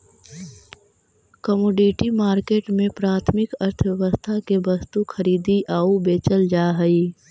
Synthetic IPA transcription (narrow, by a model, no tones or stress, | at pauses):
kəmoːɖiʈimaːɾkeːʈmẽpɾaːt̪ʰmɪkɐɾt̪ʰəʋɛʋəst̪ʰakebɐst̪ukʰɐɾiːd̪iʔaːubeːt͡ʃəld͡ʒaːɦəi